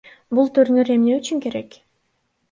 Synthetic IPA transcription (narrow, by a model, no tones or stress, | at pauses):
bulˠt̪ʰyɾnyɾe̞mneyt͡ʃyŋke̞ɾe̞k